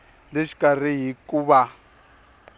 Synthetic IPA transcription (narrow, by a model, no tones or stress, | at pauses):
leʃi̥kar̤iɦikuβa